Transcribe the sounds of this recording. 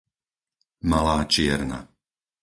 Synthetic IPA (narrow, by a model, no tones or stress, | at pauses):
malaːt͡ʃɪɛɾna̰